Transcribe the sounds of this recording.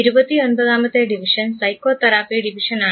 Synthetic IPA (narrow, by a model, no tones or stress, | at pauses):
iɾubɐt̪ːio̞nbɐðaːmɐt̪ːeɖiʋiʂɐnsɐjkoːt̪ɐɾaːfiɖiʋiʂɐnaː